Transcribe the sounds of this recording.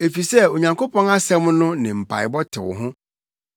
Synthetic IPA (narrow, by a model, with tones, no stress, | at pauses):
e˨fi˨sɛ˦o˨ɲã˨ŋkʰo˦pʰɔ̃˦na˦sɛ̃˦mnʊ̃˦nɪ̃˨m̩˨pʰa̰˨ɪ˨bɔ˦tʰɪ̰˨wʊ̰˨ɦʊ̃˦